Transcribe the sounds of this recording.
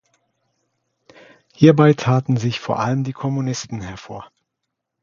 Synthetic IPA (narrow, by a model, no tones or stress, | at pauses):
hiːɐbaɪtʰaːtn̩zɪçfoːɐʔaləmdiːkʰɔmunɪstn̩hɛɐfo̰ːɐ